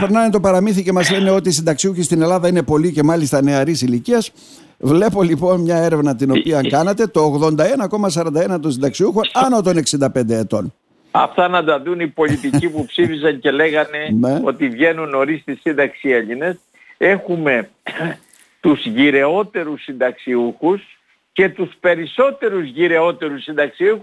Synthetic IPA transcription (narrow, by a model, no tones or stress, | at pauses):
peɾnɐmet̪o̞pɐɾɐmiθice̞mɐzle̞ne̞o̞t̪iːsind̪ɐksiuçist̪ine̞lɐðɐine̞po̞lice̞mɐlist̪ɐne̞ɐɾisiliciɐs | vle̞po̞lipo̞nmɲɐe̞ɾe̞vnɐt̪ino̞piɐŋkɐnet̪e̞t̪o̞ːɣðo̞nd̪ɐe̞nɐko̞mɐsɐɾɐnd̪ɐe̞nɐt̪osind̪ɐksiuxo̞nɐnot̪o̞ne̞ksind̪ɐpe̞nd̪eːt̪o̞n | ɐ̰ft̪ɐnɐd̪ɐðunipo̞ʎit̪̬icipupsifisɐɲce̞le̞ɣɐne̞neo̞t̪ivʝe̞nuno̞ɾist̪isind̪ɐksie̞ʎine̞s | e̞xume̞ | t̪uzʝiɾe̞o̞t̪e̞ɾusːind̪ɐksiuxus | ce̞t̪uspe̞ɾiso̞t̪e̞ɾuzʝiɾe̞o̞t̪e̞ɾusind̪ɐksiuxu